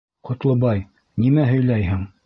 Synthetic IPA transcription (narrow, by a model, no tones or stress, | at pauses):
qŏt̪lˠɤ̆bɑj | nimæɦɵ̆jlæjɦɘŋ